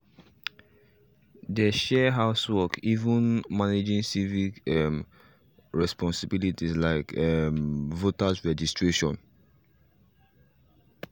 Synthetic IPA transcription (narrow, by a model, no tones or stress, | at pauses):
dəʃɛɦaʊswɔkʰivũnmaned͡ʒĩŋsivikɛm | ɹɛspɔ̃nsibilitislaɪkɛmvotasɹɛd͡ʒistɹeʃɔ̃n